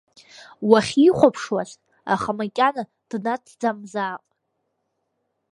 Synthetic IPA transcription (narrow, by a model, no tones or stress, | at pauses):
waχʲiχʷapʰʂwaz | a̰χamakʲʼana | d̥natʰd͡zamzaːqʼ